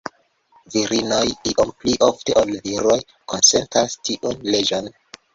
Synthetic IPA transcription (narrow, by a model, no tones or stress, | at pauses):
viɾinojiʔompliʔofteʔolviɾoj | konse̞ntɾastʰiʔunled͡ʒon